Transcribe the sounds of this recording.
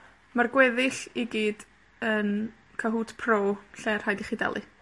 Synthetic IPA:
marɡwɛðɪɬiɡiːd | ən | kʰaɦuːtʰpʰroːɬɛːrhajdiχiːdɛ̰lˠɨ̰

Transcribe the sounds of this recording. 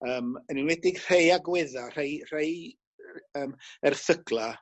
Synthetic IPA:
əːməninwɛdɪɡr̥ejaɡwɪðar̥ejr̥ej | əːmɛrθəɡlˠa

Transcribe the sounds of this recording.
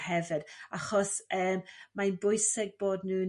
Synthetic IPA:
hɛvɨd̥aχɔsəːmmajnbʊjsɪɡ̚boːdnuː

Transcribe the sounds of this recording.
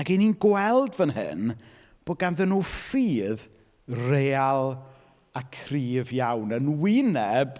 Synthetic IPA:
aɡeninɡwɛlˠdvənhɨ̰n | b̥oːd̚ɡanðənuːfiːð | reːalˠ | akʰriːvjawnənwɪnɛb

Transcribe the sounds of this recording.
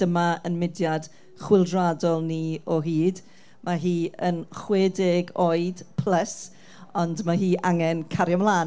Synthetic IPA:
d̥əmaənmɪdjad̥ | χwɪlˠdradɔlˠniɔɦiːd | maɦiːənχweːdɪɡoːɨd̥pʰləs | ɔndmaɦiːʔaŋɛnkʰaɾjɔmlˠaːn

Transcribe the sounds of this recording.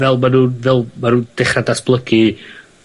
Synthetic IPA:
vɛlˠmanuːvɛlˠmanuːd̥ɪχradasb̥lˠəɡi

